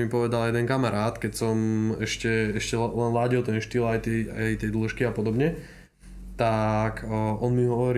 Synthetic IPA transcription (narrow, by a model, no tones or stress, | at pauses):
mipɔʋɛd̪aljɛd̪ɛnkamaɾaːt̪kɛcsɔmɛʃcɛɛʃcɛlɛnlaːɟilt̪ɛnʃt̪ilajt̪ɛajt̪ɛjd̪luʃkiapɔd̪ɔbɲɛ | t̪akʔɔnmiɦɔʋɔɾi